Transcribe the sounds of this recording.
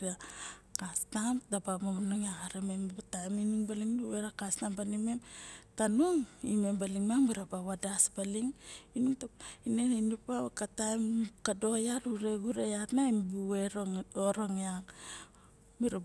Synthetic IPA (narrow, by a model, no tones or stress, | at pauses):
iakastamdabamomanoŋaaɾemembatajminuŋbaliŋduweɾakastambalime̞mtanuŋime̞mbaliŋmaŋbiɾabaβadasbaliŋinuŋtaineninupakatajmkado̞jaɾuɾe̞ɡuɾejatnaimbueɾooɾoŋaŋ | biɾa